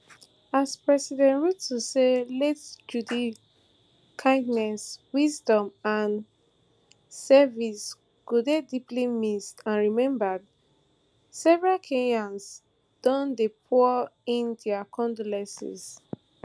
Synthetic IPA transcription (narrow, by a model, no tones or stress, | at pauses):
aspɹɛsidɛ̃ntɹudtʰuseletd͡ʒudi | kʰãɪ̃ndnɛswizdɔ̃mãn | sɛvis | ɡ̥udediplimistãnɹimɛ̃mbad | sɛvɹalkʰẽŋãns | d̥ɔ̃ndepʰuĩndɛakʰɔ̃ndɔlɛ̃sḭs